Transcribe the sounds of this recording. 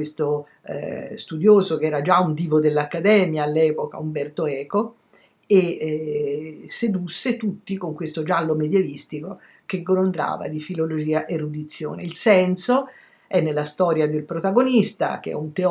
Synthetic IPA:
west̪o̰ | st̪ud̪joːzokeɛːɾad͡ʒaund̪iːvod̪elːakːad̪ɛːmjaːlːɛːpoka̰umbɛrt̪oɛːko | e | sed̪usːet̪ut̪ːikoŋkwest̪od͡ʒalːomed̪jevist̪iko | keɡolond̪ɾa̰ːva̰d̪ifilolod͡ʒiːaʔerːud̪it̪sːjo̰ːnḛilsɛnso | ɛnːelːast̪ɔːɾjad̪elpɾot̪aɡonist̪a̰k̟ḛɛ̰unt̪e

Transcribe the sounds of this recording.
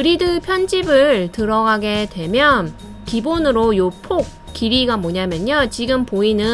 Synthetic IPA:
ɯɾidɯpʰjʌnd͡ʑibɯɭtɯɾʌɡaɡe̞dwe̞mjʌn | kibonɯɾojopʰok̚ | k͈iɾiɡamʌɲamjʌɲot͡ɕiɡɯmpoinɯ

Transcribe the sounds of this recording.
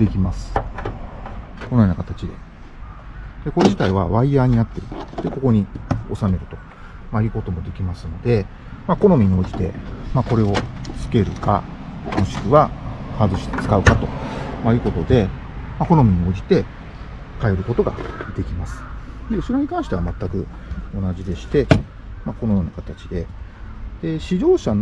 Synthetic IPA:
d̪e̞kʲimasɨ̥ | ko̞nojonakḁt̪at͡ɕid̪e̞ | d̪̥e̞ko̞ɾe̞ʑit̪aiβaβaiaːɲ̟inat̪ːe̞ɾɯ̟d̪̥e̞ko̞ko̞ɲ̟io̞same̞ɾɯ̟t̪o̞̥ | maiɯko̞t̪o̞mo̞d̪e̞kʲimasɨno̞d̪e̞ | mako̞no̞mʲiɲ̟io̞d͡ʑi̥t̪e̞̰mako̞ɾe̞o̞t͡sɨ̥ke̞ɾɯ̟ka̰mo̞ɕi̥kɯ̟βahazɨɕi̥t̪e̥t͡sɨ̥kaɯ̟kat̪o̞maiɯ̟ko̞t̪o̞d̪e̞ | mako̞no̞mʲiɲ̟io̞ːd͡ʑi̥t̪e̞ | kae̞ɾɯ̟ko̞t̪o̞ɡa̰d̪̥e̞kʲimasɨ̥ | eso̞ɾe̞ɲ̟ikãɰ̃ɕi̥t̪eamat̪ːakɯ̟ | o̞naʑid̪e̞ɕi̥t̪e̞ | makono̞jo̞ːnakat̪at͡ɕid̪e̞ | d̪̥e̞ɕiʑo̞ːɕan

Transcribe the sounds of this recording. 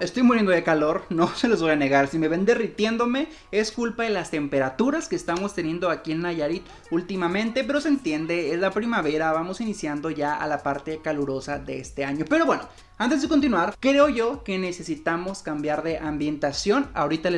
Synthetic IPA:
e̞st̪o̞jmoɾjend̪oðe̞kalo̞ɾno̞se̞lozβo̞jane̞ɣaɾsime̞βe̞nd̪erit̪je̞nd̪o̞me̞ | e̞skulpaðelast̪e̞mpe̞ɾat̪uɾaske̞ːst̪amo̞st̪e̞njẽ̞nd̪o̞akie̞nːaʝaɾit̪ | ult̪imamẽnt̪e̞pe̞ɾo̞sent̪je̞nd̪e̞ezlapɾimaβe̞ɾaβamo̞sinisjand̪o̞ʝaa̰lapaɾt̪e̞kaluɾo̞saðe̞est̪e̞aɲo̞pe̞ɾo̞βwe̞no̞ | ant̪̬ezðeko̞nt̪̬inwaɾkɾe̞o̞ʝo̞ke̞ne̞se̞sit̪amo̞skambjaɾðe̞ʔambje̞nt̪asjo̞na̰o̞ɾit̪al

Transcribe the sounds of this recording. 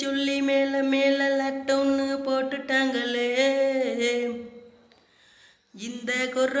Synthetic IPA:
ɔlːimeːlɐmeːlɐlɐʈːɐnːɯpoːʈːɯʈːaːŋɡɐɭeː | ɪnd̪ɐkɔr

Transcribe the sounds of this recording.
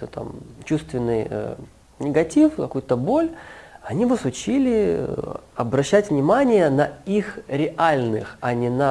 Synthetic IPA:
t̪ot̪a̰mt͡ɕust̪vʲɪnːɨj̰ | nʲɪɡɐtʲifkɐkujʊt̪əbo̞lʲɐnʲibɨsʊt͡ɕilʲɪ | ɐbɾɐɕːætʲvnʲɪmanʲɪjənɐixɾʲɪʔalʲnɨ̰xɐnʲɪnɐ

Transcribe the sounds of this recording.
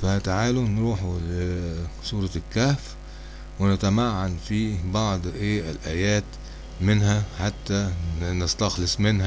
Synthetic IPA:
fæt̪aʕaːlunɾuːħulesˤuːɾˤɑkːæːf | wɪnɪt̪æmaʕːanfibɑʕd̪ˤʔeːɪlʔæːjæːt̪ | mɪnɦæħat̪ːænɪst̪ɑxlɪsˤmɪnɦæ

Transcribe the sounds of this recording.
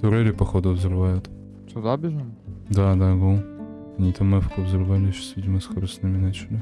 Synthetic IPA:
t̪ʊɾɛlʲɪpɐxod̪ʊvzɾɨvajʊt̪ | sʊd̪abʲɪʒɨmd̪ad̪abɨlˠ | ɐnʲit̪amːɛfkovzɾɨvalʲɪɕḁsvʲidʲɪmɐsxoɾɨst̪nɨmʲɪnat͡ɕɪlʲɪ

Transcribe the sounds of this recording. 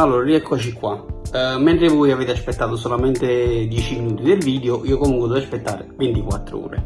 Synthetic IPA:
alːoːɾaɾiɛkːɔt͡ʃikːwamːɛnt̪ɾevɔjaveːt̪easpɛt̪ːaːt̪os̬olamɛnt̪ed̪jɛːt͡ʃiminuːt̪id̪elviːd̪eoʔiːokomuŋkwɪd̪ɔvaspet̪ːaːɾɪvɛnt̪ikwa̰t̪ːɾṵːɾḛ

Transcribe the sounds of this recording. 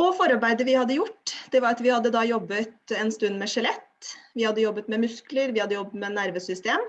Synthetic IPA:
ɔfɔɾɑɾbæɪd̪əʋɪhɑd̪ːəjʊʈːd̪̥ɛʋɑɾɑt̪ʋɪhɑd̪ːəd̪ɑːjɔbːət̪ɛnst̪ʉnːmɛʂɛlɛt̪ːʋɪhɑd̪ːəjɔbːət̪mɛmʉskləɾʋɪhɑd̪ːəjɔbːət̪mɛnæɾʋəsʏst̪eːm

